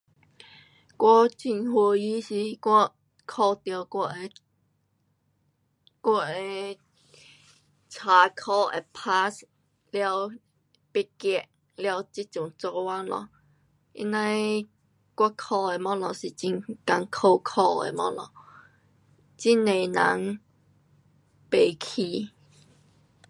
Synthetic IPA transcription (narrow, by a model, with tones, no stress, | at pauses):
kwɔ˦t͡ɕi˧nhwə˧i˦ɕi˧kwɔ˧ | kʰɔ˧˩t̪jə˨˩˧ | kwɔ˧˩e˨ | t͡sʰa˨˩kʰɔ˧ḛ˨pʰa˦s | lja˧w | pe˧kɛ˧˩ʔ | lja˧wt͡ɕi˦t̚t͡ɕu˨˩ŋt͡sɔ˧wa˦nlɔ̰˧˨ | ḭ˦nã˧j | kwa˧kʰɔ˧˩e˨mɔ̃˦lɔ˧˨si˨t͡ɕi˧ŋka˧ŋkʰo˧kʰɔ˧ḛ˨mɔ̰̃˦lɔ̰˨ | t͡ɕi˦˥nẽ˨na˨˦ŋ | pe˨˩kʰi˧˩